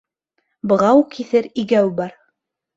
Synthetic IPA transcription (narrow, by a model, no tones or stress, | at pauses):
bɤ̆ʁɑwukʰiθɘɾiɡæwbɑɾ